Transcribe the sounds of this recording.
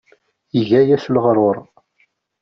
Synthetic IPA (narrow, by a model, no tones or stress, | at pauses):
iʝæjæslʁɾˤoɾˤ